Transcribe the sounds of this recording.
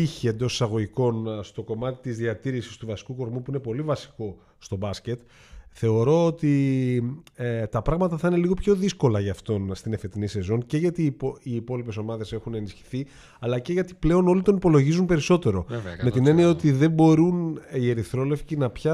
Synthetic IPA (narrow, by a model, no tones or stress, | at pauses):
içie̞nd̪osi̥sɐɣo̞ʝiko̞nst̪o̞ko̞mɐt̪i̥t̪izðiɐt̪iɾisi̥st̪uvɐsi̥kuko̞ɾmupuine̞po̞livɐsi̥ko̞ | st̪o̞bɐsce̞t̪ | θe̞o̞ɾo̞ot̪i | t̪ɐpɾɐɣmɐt̪ɐθɐine̞liɣo̞pço̞ðisko̞lɐʝɐft̪o̞nst̪ine̞fe̞t̪inise̞zo̞ŋce̞ʝɐt̪ipoiːpo̞lipe̞so̞mɐðe̞se̞xunenisçi̥θi | ɐlɐce̞ʝɐt̪i̥ple̞o̞no̞lit̪o̞nipo̞lo̞ʝizunpe̞ɾiso̞t̪e̞ɾo̞me̞t̪ine̞niɐot̪iðe̞mbo̞ɾunie̞ɾiθɾo̞le̞fcinɐpçɐ